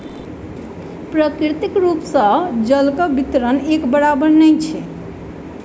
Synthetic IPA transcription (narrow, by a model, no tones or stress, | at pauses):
pɾəkɾit̪ikɾupsə̃d͡ʒəlkəbit̪ɾənekbəɾabəɾnɛjt͡ʃʰɛ